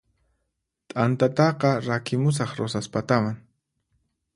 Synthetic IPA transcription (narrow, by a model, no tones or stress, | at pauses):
t̪ʼant̪at̪ɑqɑɾakɪmʊs̬ɑχɾosaspat̪amaŋ